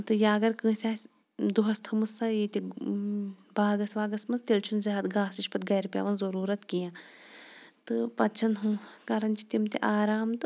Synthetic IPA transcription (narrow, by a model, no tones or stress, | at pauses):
t̪ɨjaːɐɡɐɾkɨ̃ːsʲaːsʲ | d̪uɦɐst̪ʰɐmɨsɐit̪i | baːɡɐsʋaːɡɐsmɐst̪elt͡ʃʰunzʲɐːɦɐt̪ɡaːsiʃpɐt̪ɡɐjɾpʲja̰ːʋɐnzɐɾuːɾɐt̪kijãː | t̪ɨpɐt͡ʃʰɐnɦũːkɐɾɐnt͡ʃi̥t̪imt̪ḭʔaːɾaːmt̪ɨ